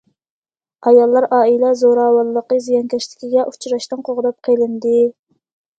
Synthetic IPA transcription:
ɑjɑlˠːɑɾʔɑːilɛzoɾɑːwɑlˠːəqəzijɑŋkʲʰɛʃt̪ɪ̥kʲʰiɡʲɛʔu̥t͡ʃʰɾɑʃt̪ɨnqʰoʁd̪ɑp̚qʰelɪnd̪ɪ

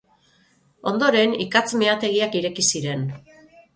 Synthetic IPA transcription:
o̞nd̪o̞ɾe̞nikat͡smeat̪e̞ɣiakiɾe̞kisiɾe̞n

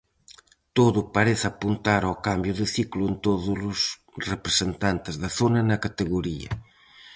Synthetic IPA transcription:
t̪oðupaɾeθapunt̪aɾawkambjuðəθikluent̪oðulus | repɾesent̪ant̪ezðaθonɐnɐkat̪eɣuɾiɐ̰

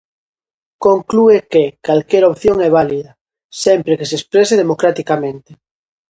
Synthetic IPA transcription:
koŋkluekekalkeɾopθjoŋɛβ̞aliðɐ | sɛmpɾekesespɾeseð̞emokɾat̪ikamẽnt̪e

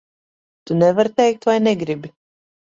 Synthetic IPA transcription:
t̪unɛvaɾt̪ɛjk̚t̪vajnɛɡɾibi

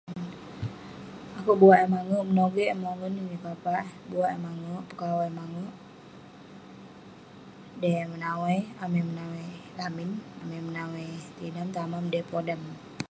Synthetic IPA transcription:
akuʔbuaʔamaŋoʔmənoɡɛʔmaŋəninipapaʔbuaʔmaŋoʔpəkawajmaŋoʔ | dɛmənawajamɛmənawajlaminamimənawajt̪inamt̪amamdɛpodam

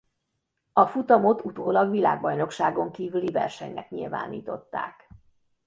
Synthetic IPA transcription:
ɒfut̪ɒmo̞t̪ut̪oːlɒɡʋila̰ːɡ̚bɒjno̞kʃaːɡo̞ŋkiːvylivɛ̰rʃɛ̰ɲnɛ̰kɲḭlva̰ːnḭːt̪o̞t̪ːa̰ːk

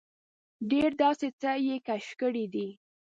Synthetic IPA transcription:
ɖeɾd̪ɑset͡səjekaʃkəɽid̪i

